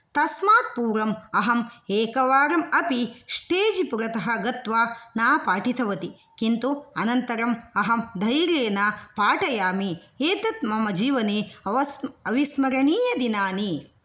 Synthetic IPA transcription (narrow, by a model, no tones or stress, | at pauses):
t̪ɐsmaːt̪̚puːɾɐmɐɦɐmeːkɐʋaːɾɐmɐpiʃʈeːd͡ʒipuɾɐt̪ɐɦɐ̆ɡɐt̪ʋaːnaːpaːʈit̪ʰɐʋɐt̪i | kint̪uɐnɐnt̪ɐɾɐmɐɦɐmd̪ʱɐjɾeːnapaːʈɐjaːmi | eːt̪ɐt̪mɐmɐd͡ʒiːʋɐneːɐɐɐʋismɐɾɐɳiːjɐd̪inaːni